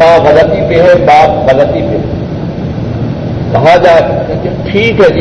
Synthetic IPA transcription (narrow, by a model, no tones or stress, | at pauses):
ãːɣɐlət̪ipeɦɛbaːpɣɐlət̪ipeɦɛ | kɐɦad͡ʑaːʈʰiːkɦɛd͡ʒ